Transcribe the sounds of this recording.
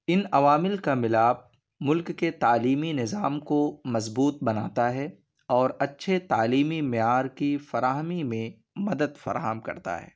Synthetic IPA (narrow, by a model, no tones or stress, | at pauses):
ɪnɐʋaːmɪlkamɪlaːb̚ | mʊlkːet̪aːliːminɪzaːmkomɐzbuːt̪̚bɐnaːt̪aɦɛ | ɔːɾɐtːʃʰet̪aːliːmimɪjaːɾkifɐɾaːɦmimẽ | mɐd̪əd̪fɐ̰ɾa̰ːɦəmkɐ̰ɾt̪a̰ɦɛ̰ː